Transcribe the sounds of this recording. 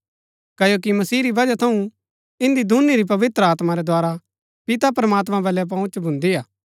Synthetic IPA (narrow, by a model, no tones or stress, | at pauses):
kɐjoːk̬imɐsiːɾibɐd͡ʒat̪ʰɐũ | ɪ̃nd̪id̪ʱuniɾip̬ɐʋɪt̪ɾəaːt̪maɾɛd̪ʱwaːɾa | pɪt̪apɾɐmaːt̪̬mãbɛːlɛp̬ɐ̃ʊ̃t͡ʃbʱʊ̃nd̪iaː